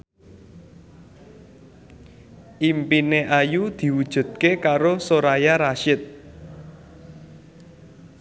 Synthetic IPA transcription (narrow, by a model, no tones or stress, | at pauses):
ʔimpineʔajud̪̥i̤wud̥ʒ̥ṳd̪̚kekaɾosoɾajaɾaʃɪt̪̚